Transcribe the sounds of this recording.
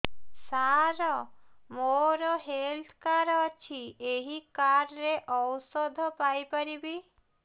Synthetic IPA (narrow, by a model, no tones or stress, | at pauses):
saɾɔmoɾɔɦelt̪ʰkaɾɔt͡ʃʰieɦikaɾɾeʔɔwsɔd̪ʱɔpajpɔɾibi